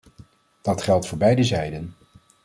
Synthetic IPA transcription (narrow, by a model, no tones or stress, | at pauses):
d̥ɑtχɛlˠtfʊːɹbɛjdəzɛjdən